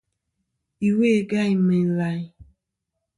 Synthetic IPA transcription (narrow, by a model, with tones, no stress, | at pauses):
i˨we˦˨ɡa˦ɪ˦me˨n̩˨la˨ɪ˦